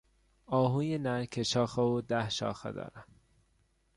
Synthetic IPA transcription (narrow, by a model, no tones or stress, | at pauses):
ɒːɦuːjenæɾkʰeʃɒːxeod̪æhʃɒ̰ːxḛd̪ɒ̰ːɾæm